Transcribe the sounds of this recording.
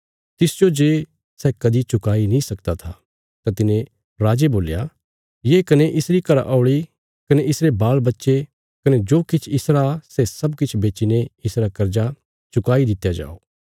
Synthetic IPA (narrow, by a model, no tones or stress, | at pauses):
t̪ɪsd͡ʒod͡ʒeː | sɛːkɐd̪it͡ʃʊkaːinĩsɐkd̪at̪ʰa | t̪ãt̪ɪnẽ | ɾaːd͡ʒeboːlja | jeːkɐneʔɪsɾikɐɾa̰ʔaʊɭi | kɐneɪsɾebaːlbɐtːʃe | kɐned͡ʒoːkɪt͡ʃʰɪsɾasɛsɐbkɪt͡ʃʰbeːt͡ʃineɪsɾakɐɾd͡ʒa | t͡ʃʊkaːid̪ɪt̪jad͡ʒa̰ːoː